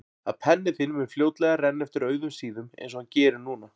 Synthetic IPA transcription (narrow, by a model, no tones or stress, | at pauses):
aðpʰɛnːɪθɪnmɛnfljowt̪lɛɣarɛnːɛft̪ɪɾœːɥðʏmsiːðʏmḛjnsɔhancɛːɾɪnuːna